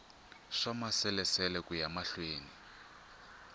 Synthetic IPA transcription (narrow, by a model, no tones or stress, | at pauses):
ʂamasɛlɛsɛlɛkʼujamaɬweːni